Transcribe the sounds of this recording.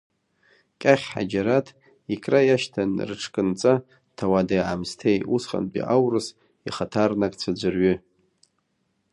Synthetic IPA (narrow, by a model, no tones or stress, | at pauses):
kʲʼaχʲħa̰d͡ʒaɾatʰ | ikʰʼrajaʃtʰanrɨʈ͡ʂʰkʼɨnt͡sʼa | tʰawadaʕamstʰejusχa̰npʼḭʔawrɨs | iχatʰarnakʼt͡sʷʰad͡ʒʷɨrɥʏ